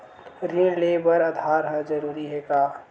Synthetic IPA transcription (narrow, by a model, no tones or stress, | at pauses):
ɾiɳleːbəɾəd̪ʱaːɾɦəd͡ʒəɾuːɾiɦekaː